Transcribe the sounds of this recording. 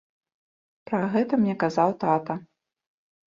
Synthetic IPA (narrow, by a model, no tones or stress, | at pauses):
pɾɐɣɛt̪ɐmnʲɛkazawt̪at̪ɐ